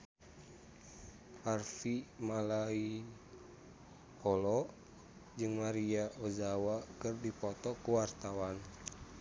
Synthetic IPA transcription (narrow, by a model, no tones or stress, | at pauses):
harfimalai | pɔlɔ | d͡ʒɨŋmaɾiaʔozawakɨrdipɔt̪ɔkuwart̪awan